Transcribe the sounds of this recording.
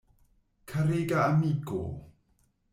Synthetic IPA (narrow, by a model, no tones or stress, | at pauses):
kʰaɾeɡaːmiɡo̰